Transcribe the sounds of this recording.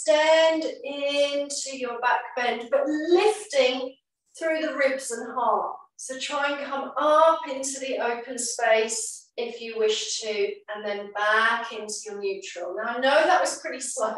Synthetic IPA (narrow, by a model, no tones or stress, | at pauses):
stæ̃ndɪ̃ntʰʉjəbak̚b̥ɛ̃nb̥ʌʔlɪftɪ̃ŋ | θɹʉːðəɹɪbzə̃nɦɑˑtsəʊtʰɹ̥aɪə̃ŋkʰʌ̃mʌpɪ̃ntʉðiʔəʊpə̃nspeɪsɪfjɨwɪʃtʰʉə̃nðə̃nbakʰɪ̃ntʰʉjənjʉˑt͡ʃɹ̥əlˠnaʊaɪnoʊðəʔwɒz̥pʰɹ̥ɪɾisə